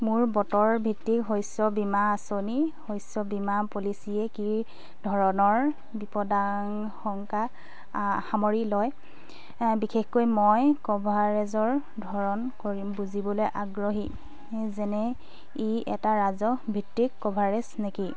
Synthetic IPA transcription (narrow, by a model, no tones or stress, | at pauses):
mʊɹbɔtɔɹbʱitːikɦojsɔbimaːsonihojsɔbimapolisiɛkiɹ | dʱɔɹɔnɔɹ | bipɔdaŋ | xɔŋka | xamoɹilɔj | bixexkojmojkɔbʱaɹɛzɔɹ | dʱɔɹɔnkoɹibuzibɔlojʔaɡɹoɦi | zɛnɛ | iɛtaɹazɔbʱitːikːɔbʱaɹɛsneki